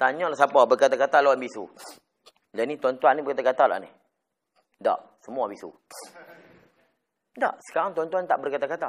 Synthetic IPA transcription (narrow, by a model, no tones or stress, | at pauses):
t̪aɲɔ̃laʔsapɔbərkat̪akat̪alawanbisṵ | lanit̪want̪uanːibərkat̪akat̪ala̰nḭ | da̰ʔsəmuabisṵ | da̰ʔsə̥kaɾaŋt̪uwant̪uant̪aʔbərkat̪akat̪a